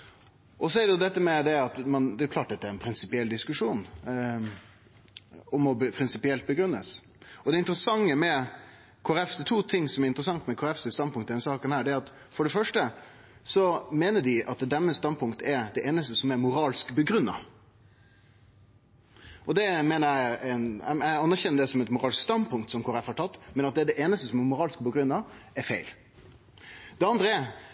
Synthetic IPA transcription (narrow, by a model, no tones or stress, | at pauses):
ʔɔsɔɛɾɖɛjʊd̪ɛt̪ːəmɛd̪ɛɑt̪mɑnd̪ɛjʊkʰlɑːʈ̚d̪ɛt̪ːəæɾɛnpʰɾɪnsɪpɪɛld̪ɪskʉʂuːn | ɔmɔbpʰɾɪnsɪpɪɛlt̪̚bəɡɾʉnːəs | ɔd̪ɛɪnt̪ɾəsɑŋːəmɛ | kʰʊɾɛft̪ət̪ʰuːt̪ʰɪŋːsɔmɛɾɪnt̪ɾəsɑŋt̪mɛkʰoːɛfsəst̪ɑn̚pʊŋt̪əd̪ɛnsɑːkənhæːɖɛæɾɑt̪ | fɔɖɛfœʂʈə | sɔmeːnəɖɪʔɑt̪̚d̪ɛd̪ɛnːəst̪ɑn̚pʊŋkt̪əɛɾd̪ɛʔeːnəst̪əsɔmɛɾmʊɾɑːlskbəɡɾʉnːɑ̰ | ɔd̪ɛmeːnəjæɪænæɪɑnːæɾçɛnːəɖɛsɔmɛt̪mʊɾɑːlskst̪ɑnd̪pʰʊŋkt̪sɔmkʰoːɾɛfhɑʈʰɑt̪ːmɛnɑt̪̚d̪ɛɖɛʔeːnəst̪əsɔmɛɾmʊɾɑːlskbəɡɾʉnːɑɛɾfæɪl | d̪ɛɑnd̪ɾəɛɾ